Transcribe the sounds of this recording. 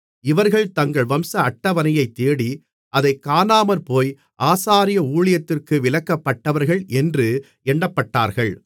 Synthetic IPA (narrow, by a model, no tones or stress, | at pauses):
ɪʋɐɾɣɐɭt̪ɐŋɡɐɭʋɐmsɐɐʈːɐʋɐnɪjɐɪt̪ːeːɽi | ɐðɐɪkːaːnaːmɐɾpoːj | ʔaːsaːɾɪjɐuːɭɪjɐt̪ːɪrkɯʋɪlɐkːɐpːɐʈːɐʋɐɾɣɐɭʔɛndrɯ | ɛɳːɐpːɐʈːaːɾɣɐɭ